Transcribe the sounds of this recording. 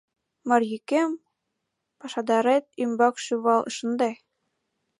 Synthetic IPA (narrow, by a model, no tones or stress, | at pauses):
mɑrjykem | pɑʃɑd̪ɑɾet̪̚ymbɑkʃyβɑlɤ̰̆ʃɤ̆nd̪ɑ